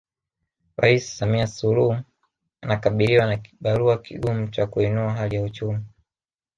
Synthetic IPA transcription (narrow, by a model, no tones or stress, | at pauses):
ɾa̰issamiasuluh | anakaɓiliwanaki̥ɓaluakiɠumut͡ʃakuinuaɦalijaut͡ʃumi